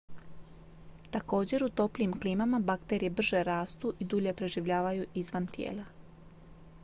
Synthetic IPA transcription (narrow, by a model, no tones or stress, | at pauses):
t̪ako̞ːd͡ʑe̞ɾut̪o̞pliːmkliːmamabakt̪eɾijebr̩ʒe̞ɾaːst̪uʔid̪uʎe̞pɾe̞ʒiʋʎaːʋajuʔizʋant̪jḛːlˠa